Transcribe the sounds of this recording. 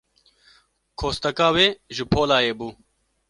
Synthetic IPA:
kʰoːst̪ɐkaːweːʒəpʰoːlaːjeːbuː

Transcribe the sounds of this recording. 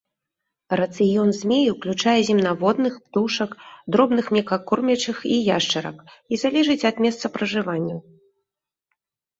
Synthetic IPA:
rɐt̪sɨjɔnzʲmʲejuwklʲut͡ʂajɛzʲimnavɔd̪nɨxpt̪uʂɐkd̪ɾɔbnɨxmʲɛkakɔrmʲɐt͡ʂɨxijaʂt͡ʂɐɾɐ̰kizalʲɛʐɨt͡sʲɐd̪mʲɛst̪sɐpɾɐʐɨvanʲːɐw

